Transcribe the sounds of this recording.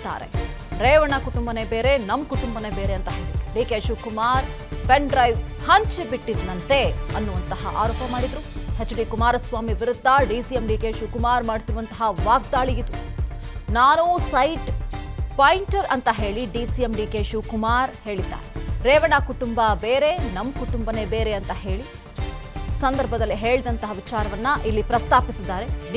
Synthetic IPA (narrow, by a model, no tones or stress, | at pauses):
t̪ːa̰ːɾḛ | ɾɛːʋɐɳɐkuʈumbɐnebeːɾe̞nɐmkuʈumbɐnebeːɾeɐnt̪ɐɦe̞ːɭid̪ɾuɖiːkeːʃukumaːɾ | peɳɖɾɐjʋhɐɲt͡ʃebiʈːid̪nɐnt̪e̞ɐnːuʋɐnt̪ɐɦɐʔa̰ːɾoːpɐmaːɽid̪ɾuhet͡ʃːuɖikumaːɾɐsʋaːmiʋiɾud̪ʱːaɖiːsijemɖiːkeːʃukumaːɾmaːɖt̪iɾʋɐnt̪ɐɦɐʋaːɡ̚d̪aːɭijid̪u | naːnusɐjʈpajɳʈɐɾɐnt̪ɐɦe̞ːɭiɖiːsiemɖiːkeːʃukumaːɾhe̞ːɭid̪ːa̰ːɾeɾɛːʋɐɳakuʈumbɐbeːɾe̞nɐmːkuʈumbɐne̞beːɾeɐnt̪ɐɦe̞ːɭi | sɐnd̪ɐɾbʱɐd̪ɐlːiɦe̞ːɭid̪ɐnt̪ɐɦɐʋit͡ʃaːɾɐʋɐnːɐʔilːipɾɐst̪aːpisid̪ːaːɾe̞ɖ